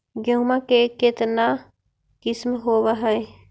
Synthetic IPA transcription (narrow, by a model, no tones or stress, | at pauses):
ɡəŋmãkeket̪na | kɪsmɦoːwaɦɛj